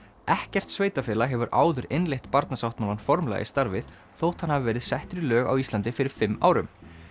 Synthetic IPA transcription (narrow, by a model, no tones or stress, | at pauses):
ɛhcɛr̥t̪sveːjt̪afɪːlaɦɛvʏɾʔa̰ːwðʏɾenlejht̪paɾt̪nasawht̪maːlanfɔɾmla̰ɣɪ̰st̪aɾvɪð | θowt̪hanhavvɛːɾɪðsɛht̪ɾʏlœːɣa̰wist̪lant̪ɪfɪɾɪɾ̥fɪmːa̰ːwɾʏm